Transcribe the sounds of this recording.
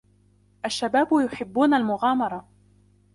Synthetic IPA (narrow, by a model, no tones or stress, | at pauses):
ʔaʃːabaːbʊjʊħɪbːuːnalmʊɣaːmɑɾˤɑ